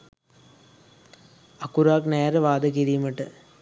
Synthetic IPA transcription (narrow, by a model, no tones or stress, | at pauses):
ɐkuɾaːkneːɾɐʋaːd̪ɐk̬iɾiːmɐʈːɐ